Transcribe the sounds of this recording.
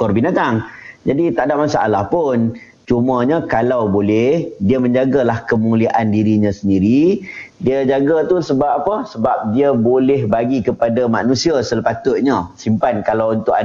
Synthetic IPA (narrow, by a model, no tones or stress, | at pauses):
kɔrbinat̪aŋd͡ʒadit̪aʔdaʔmasa̰ʔalahpʊn | t͡ʃumə̃ɲakalawbolɛhdiamə̃ɲd͡ʒaɡalahkəmuliaʔandiɾiɲãsəndiɾidiəd͡ʒaɡat̪usəbapapəsəbap̚diabolɛɦbaɡikəpadamanũsiasələpat̪ʊt̪̚ɲasimpankalawunt̪ʊka